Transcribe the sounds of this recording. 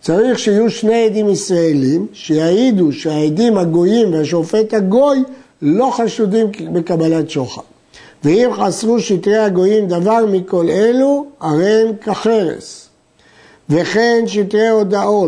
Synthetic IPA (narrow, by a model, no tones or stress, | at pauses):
t͡saʁiχʃeijuʃne̞ed̪imisʁaelimʃejaid̪uʃeaed̪imhaɡo̞jimveaʃo̞fe̞t̪haɡo̞j | lo̞χaʃud̪imbe̞kabalatʃoχa̰ | veimχasʁuʃit̪ʁehaɡo̞jimd̪avaʁmiko̞leluaʁemkaχeʁḛs | ve̞χe̞nʃit̪ʁeo̞d̪aʔo̞